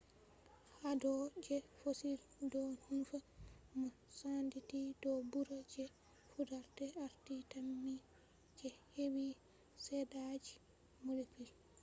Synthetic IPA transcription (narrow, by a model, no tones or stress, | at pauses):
hadɔd͡ʒɛfosildɔhunfamɔsanditidɔbuɾad͡ʒɛ | fudaɾtɛaɾtitamːi | d͡ʒɛhewi | sɛdad͡ʒi | molepil